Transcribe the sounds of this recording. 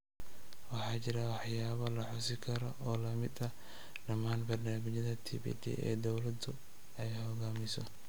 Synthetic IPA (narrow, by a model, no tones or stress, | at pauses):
wɑħɑːt͡ʃɪɾɐwɑħjaːβɐlɐħʊsɪkʰɐɾɔʔɔːlɐmɪd̪ɐ | ɖɐmaːnbɐrnaːmɪt͡ʃɐðɐt̪ʰḭːbḭd̪ʰḭʔɛ̰ːd̪ɔwlɐd̪ʊ | ɛjħɔɣaːmɪsɔ